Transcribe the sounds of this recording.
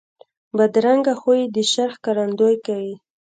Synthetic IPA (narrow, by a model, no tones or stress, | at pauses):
bad̪ɾaŋɡaxojid̪əʃaɾxkaɾand̪ojkawi